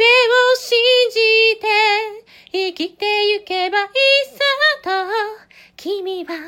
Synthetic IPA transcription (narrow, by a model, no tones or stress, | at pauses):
eoɕiɲd͡ʑit̪e̞ | ikʲit̪ejɯkebaisat̪o | kʲʰimʲiβa